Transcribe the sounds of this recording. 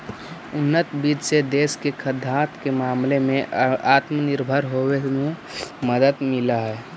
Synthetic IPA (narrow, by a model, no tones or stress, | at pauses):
ʊnːət̪bid͡ʒsed̪eːskekʰəd̪ʱːat̪kemaːmlemẽaːt̪məniɾbʱəɾɦoweme | məd̪əd̪miləɦɛː